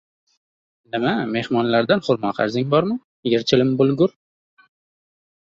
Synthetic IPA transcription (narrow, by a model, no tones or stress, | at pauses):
nɪmame̞hmɒnlaɾd̪anχʊɾmɒqʰɑ̰ɾzɪŋbɒɾmɪ | jeɾt͡ʃʰɪlɪmbʊlˠɡʊɾ